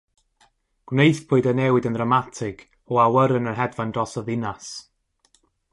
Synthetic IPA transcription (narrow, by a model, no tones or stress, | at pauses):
ɡ̥wnejθpʰʊːɨdənɛwɪdəndramatʰɪɡ̥ | ɔawəɾənərɦɛdvandɔsɔðɪnas